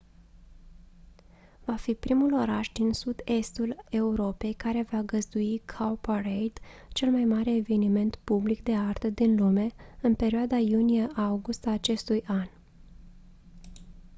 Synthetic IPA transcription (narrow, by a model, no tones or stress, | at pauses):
vafipɾimulo̞ɾaʃd̪insud̪e̞st̪ule̞uɾo̞pe̞jkaɾe̞vaɡəzd̪uikʰaparejd̪̥ | t͡ʃe̞lmajmaɾe̞ːve̞nime̞nt̪publikd̪e̞art̪əd̪inlume̞ɨnpe̞ɾioad̪ajunijeʔauɡust̪aːt͡ʃe̞st̪ujʔan